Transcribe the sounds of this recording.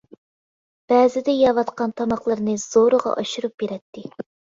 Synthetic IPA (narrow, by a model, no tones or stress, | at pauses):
b̥ɛːzɪd̪ɛjɑvɑt̪qɑnt̪ʰɑmɑχlˠɨɾnɨz̥oɾəʁɑ̰ʔɑʃuɾup̚beɾɛt̪ʰːɪ